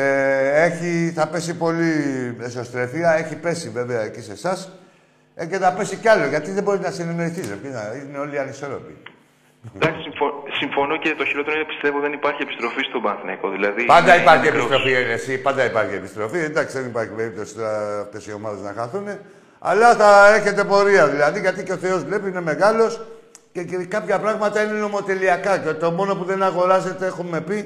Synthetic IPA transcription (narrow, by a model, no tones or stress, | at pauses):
eeçiθɐpe̞sipo̞liesost̪ɾe̞fiɐe̞çipe̞sive̞ve̞ɐecise̞sɐs | ce̞θɐpe̞siceɐlo̞ʝɐt̪iðe̞bo̞ɾinɐsenemeɾiθisepiznɐineo̞liɐniso̞ɾo̞pḭ | d̪ɐksi̥sifosiɱfo̞nocet̪oçiɾot̪eɾopi̥st̪e̞voðenipɐɾçiepi̥st̪ɾo̞fist̪obɐnθinekoðilɐðipɐnd̪ɐipɐɾçieist̪ɾo̞fienesipɐnd̪ɐipɐɾçie̞pist̪ɾo̞fiend̪ɐksiðenipɐɾçipe̞ɾip̚t̪o̞si̥t̪oːft̪e̞sio̞mɐðe̞znɐ̰xɐθune̞ | ɐ̰lɐθɐe̞çe̞t̪e̞po̞ɾiɐðilɐðiʝɐt̪iceo̞θe̞o̞zvle̞piineme̞ɣɐlo̞scekɐpçɐpɾɐɣmɐt̪ɐine̞no̞mot̪e̞liɐkɐcet̪o̞mo̞no̞puðe̞nɐɣo̞ɾɐse̞t̪e̞exume̞pi